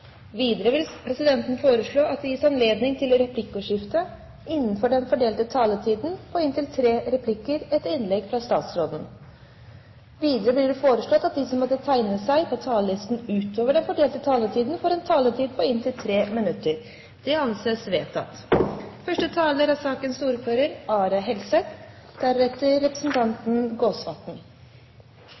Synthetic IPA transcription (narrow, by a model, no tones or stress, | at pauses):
ʋiːd̪əɾəɪlpʰɾɛsɪd̪ɛnt̪n̩foːɾəʂɭoːɑt̪̚d̪ɛjiːsɑnleːd̪nɪŋt̪ʰɪlɾɛpʰlɪkːʊʂɪft̪ə | ɪnːənfɔɖɛnfɔɖeːlt̪ət̪ʰɑːlət̪ʰiːd̪n̩pʰɔɪnt̪ʰɪlt̪ʰɾeːɾɛpʰlɪkːəɾɛt̪ɪnlɛɡfɾɑst̪ɑ̰ːt̪sɾoːd̪n̩ | ʋiːd̪əɾəblɪɖɛfoːɾəʂɭɔt̪ːɑt̪̚d̪ɪsɔmːɔt̪ːət̪ʰæɪnəsæɪpʰɔt̪ʰɑːləlɪst̪n̩ʉːt̪oːʋəɖɛnfɔɖeːlt̪ət̪ʰɑːlət̪ʰiːd̪n̩foːɾɛnt̪ʰɑːlət̪ʰiːd̪̚pʰɔɪnt̪ʰɪlt̪ʰɾeːmɪnʉt̪əɾ | d̪̥ɛɑnseːsʋeːt̪ʰɑ̰t̪fœʂʈət̪ʰɑːləɾɑsɑːkənsuːɾføːɾəɾɑːɾɑɦɛlsɛt̪d̪̥æɾɛt̪əɾːɛpɾə̥sn̩t̪ʰɑnt̪n̩ɡoːsʋɑ̰t̪ɳ̩